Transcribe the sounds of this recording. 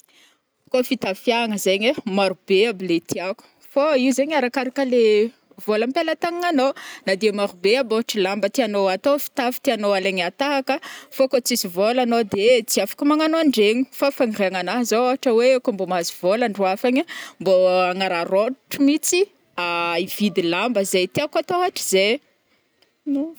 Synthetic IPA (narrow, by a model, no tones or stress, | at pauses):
kofit̪afjaŋəzeɲemaɾubeabilet̪ʰiaku̥ | faiwzeɲaɾakaɾakəle | volampelat̪aŋaŋanonad̪emaɾubeaboaʈ͡ʂəlambət̪ianoat̪ofi̥t̪afi̥t̪ianoaleɲat̪aɦakəfokot͡sisivolanod̪et͡siafḁkəmaŋanoaɳɖ͡ʐeɲi̥fafaŋireaŋanaɦazooɦaʈ͡ʂəwekombomazivolaɳɖ͡ʐuafaɲimboaŋaɾaroʈ͡ʂimit͡si | aivid̪ilambəzejt̪eakat̪oaʈ͡ʂi̥z̥e | n